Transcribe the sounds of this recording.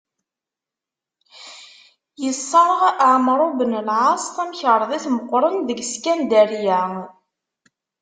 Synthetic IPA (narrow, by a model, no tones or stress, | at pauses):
jəsˤːəɾˤəʁəʕmɾˤubənəlʕasˤt̪æmçəɾˤðˤiθməqʷːɾˤənðəɡskænd̪æɾjæ